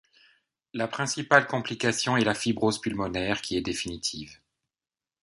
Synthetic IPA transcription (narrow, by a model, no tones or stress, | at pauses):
lapχɛ̃sipalkɔ̃plikasjɔ̃ɛlafibʁozpylmɔnɛʁkʲʰiɛd̪efinit̪ʰiːv